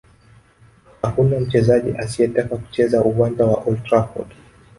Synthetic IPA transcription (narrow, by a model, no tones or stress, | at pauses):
hakunam̩t͡ʃɛzaʄḭʔasiɛtakaku̥t͡ʃɛzaʔuwand͡ʒawaʔɔltɾafɔ̰d